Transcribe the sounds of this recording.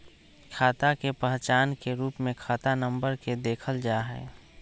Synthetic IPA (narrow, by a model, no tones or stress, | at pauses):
kʰaːt̪akepɛɦt͡ʃaːnkeɾuːpmẽkʰaːt̪anə̃mbəɾked̪eːkʰəld͡ʒaːɦɛ̰ː